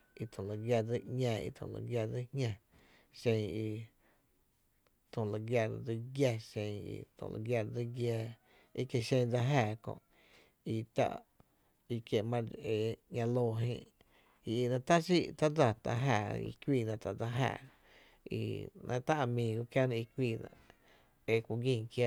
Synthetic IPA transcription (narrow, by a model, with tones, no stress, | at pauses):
i˧t̪ʰõ˨la˨ɡja˧d͡zi˦ʔɲãː˧˨ḭ˧t̪ʰõ̰˨la̰˧ɡja˧˨d͡zi˦hɲã˧ | ʃẽ˧ŋi˧ | t̪õ˨la˧˨ɡja˧˨˧d͡zi˧˦ɡja˧ʃẽ˧ŋḭ˧t̪õ̰˨la̰˧˨ɡʲja˧d͡zi˦ɡjɛː˧ | i˦kje˧ʃẽ˧d͡za˧ɦaː˧˨kõ̰˧˨ʔ | i˧t̪a̰˧ʔ | i˧kje˧˨ʔmã˧e˧ɲã˧loː˧˨ɦḛ̃˧ʔ | i˧i˧nã˧t̪a˦si˦˧˨ʔt̪a˦d͡za˧t̪a˧ɦaː˧˨ḭ˧kʷiː˧˨nã˧˨t͡s̪a˨ʔd͡za˧ɦa̰ː˧˨ | ḭ˧nʔã̰˧t̪a˦ʔa˧˨mĩː˧ɡo˧kja˦nã˧i˧kʷiː˧˨nã̰˧˨ʔ | e˧kʷu˧˨ɡĩ˦˧˨ŋkja˧˨